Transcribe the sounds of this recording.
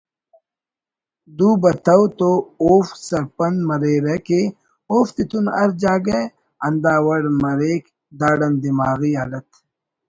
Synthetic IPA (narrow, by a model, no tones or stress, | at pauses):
d̪uːbɐt̪ɐwt̪ooːfsɐɾpɐnd̪mɐɾeːɾɐkeː | oːft̪it̪unɐɾd͡ʑaːɡɐ | ɐnd̪aːwɐɽmɐɾeːk | d̪aːɽɐnd̪imaːɣiːaːɖɐt̪